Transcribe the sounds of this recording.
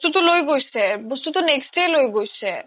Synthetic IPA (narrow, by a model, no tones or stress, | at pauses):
t̪ut̪olojɡojsʰebost̪ut̪oneksʈejlojɡojt͡ɕʰe